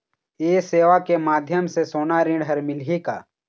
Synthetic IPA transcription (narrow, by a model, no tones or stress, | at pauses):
eːseːʋakemaːd̪ʱjəmsesoːnaɾɪ̃ɖɦəɾmɪlɦika̰ː